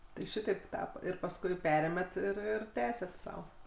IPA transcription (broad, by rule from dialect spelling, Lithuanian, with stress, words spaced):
tɐɪ ˈʃʲɪtɐɪp ˈtɑːpɐ ɪr pɐsˈkʊɪ ˈpʲæːrʲeːmʲɛt ɪr ˈɪr ˈtʲæːsʲɛt sɐʊ